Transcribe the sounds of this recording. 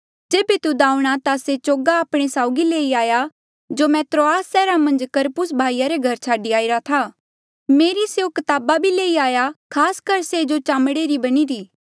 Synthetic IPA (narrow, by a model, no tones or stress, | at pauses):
d͡ʒeːbet̪ud̪aːũɽ̃at̪aset͡ʃoːɡaːpɽ̃esaːʊɡileːiaːja | d͡ʒomɛːt̪ɾoaːsːɛːɾamɐ̃nd͡ʒkɐɾpʊs̬bʱaːijaɾeɡʱɐɾt͡ʃʰaːɖiaːiɾat̪ʰa | meːɾiseokɐt̪aːbabʱileːiaːjakʰaːskɐɾsed͡ʒot͡ʃãːmɽeɾibɐñiɾiː